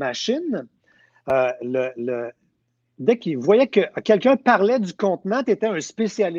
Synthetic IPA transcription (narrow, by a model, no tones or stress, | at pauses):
maʃɪn | ølələ | d̪ɛkivwajɛkʲəʔkʲɛlkʲœ̃paʁlɛd̪ykɔ̃t̪nãt̪et̪ɛɛ̃spesjal